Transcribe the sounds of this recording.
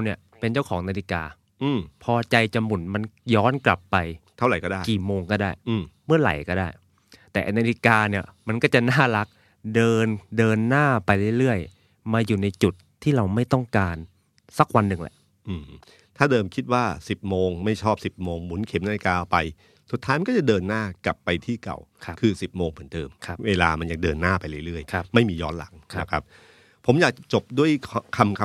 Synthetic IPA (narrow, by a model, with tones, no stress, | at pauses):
wni˥˩ɐ | pe˧nt͡ɕa˥˩wkʰɔː˩˦ŋnaː˧li˧kaː˧ | ʔɯː˧˩mpʰɔː˧t͡ɕa˧jt͡ɕa˧mːu˨˩˦nma˧njɔː˦˥nkla̰˨˩pːa˧jt̪ʰa˥˩wɾa˨˩jkɔː˥˩daː˥˩jkiː˨˩moː˧ŋkɔː˥˩daː˥˩jʔɯː˧˩mmɯ˥˩ɐɾa̰˨˩˦jkɔː˥˩daː˥˩j | t̪ɛː˨˩ʔnaː˧li˧kaː˧ni˥˩əma˧nkɔː˥˩t͡ɕa˨˩naː˥˩la˦˥k̚ | dɤː˧ndɤː˧nːaː˥˩pa˧jlɯ˥˩jɾɯ˥˩əj | maː˧juː˨˩na˧jt͡ɕu˨˩t̪ʰːiː˥˩ɾa˧wma˥˩jt̪ɔ˥˩ŋkaː˧n | sa˦˥k̚wa˧nːɯ˨˩ŋlɛ̰˧˦ʔ | ʔɯː˨˩m | t̪ʰaː˥˩dɤː˧mkʰi˦t̪̚waː˥˩si˨˩p̚moː˧ŋma˥˩jt͡ɕʰɔː˥˩p̚si˨˩p̚moː˧ŋmu˩˦nkʰe˩˦mna˧e˧kaː˧ʔpa˧j | su˨˩t̪ʰːaː˦˥jma˧nkɔ˥˩t͡ɕa˨˩dɤː˧nːaː˥˩ka˨˩pːa˧jt̪ʰiː˥˩ka̰˨˩wkʰkʰɯː˧si˨˩p̚moː˧ŋpʰɯ˩˦nt̪ɤː˧mkʰa˦˥weː˧laː˧ma˧njaː˨˩dɤː˧nːaː˥˩pa˧jlɯ˥˩ɾɯ˥˩əjkʰa˦˧˩ma˥˩jmiː˧jɔ̰ː˦˥nla̰˩˦ŋkʰn˦a˦˧˩kʰa˦˥p̚ | pʰːo˩˦mjaː˨˩k̚t͡ɕo˨˩p̚du˥˩əjʰkʰa˧mkʰ